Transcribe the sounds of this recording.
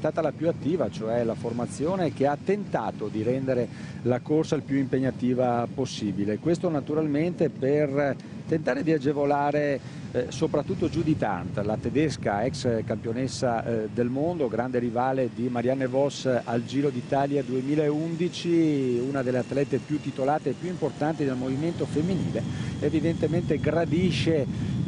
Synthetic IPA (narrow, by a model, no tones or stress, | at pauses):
ɛst̪aːt̪alapjuat̪ːiːvat͡ʃoɛlaformat̪sːjoːnek̟eat̪ːent̪aːt̪od̪iɾɛnd̪eɾe | lakorsailpjuimpeɲːat̪iːvaposːiːbilekwest̪onat̪uɾalment̪eper | t̪ent̪aːɾed̪iad͡ʒevolaːɾe | sopɾat̪ːut̪ːod͡ʒud̪it̪a̰nt̪lat̪ed̪eskaɛkskampjonesːad̪elmond̪oɡɾand̪eɾivaːled̪imaɾjanːevɔsald͡ʒiːɾod̪it̪aːljad̪uemiːlaeund̪it͡ʃiunad̪elːeat̪ːlɛt̪epjut̪ːit̪olaːt̪eːpjuimport̪ant̪id̪elmoviment̪ofemːinḭːleevid̪ent̪ement̪eɡɾad̪iʃe